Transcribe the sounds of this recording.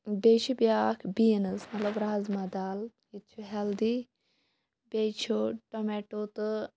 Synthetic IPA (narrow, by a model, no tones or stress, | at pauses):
bet͡ʃibjaːkʰbiːnɨsmɐt̪lɐbɾaːzmad̪aːljit̪t͡ʃʰuɦɛld̪i | bet͡ʃʰuʈomeʈot̪ɨ